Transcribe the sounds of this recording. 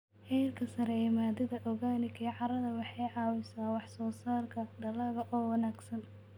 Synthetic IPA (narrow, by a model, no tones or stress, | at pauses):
ħɛjrkʰɐsɐɾɛɛːmaːd̪ɪðɐʔɔɣaːnɪkʰɛjʕɑɾɐðɐwɑħɑjʕɑːwɪsaːwɑħsɔːsaːrkʰɐɖɐlɐɣɐʔɔːwɑnaːɡsɐn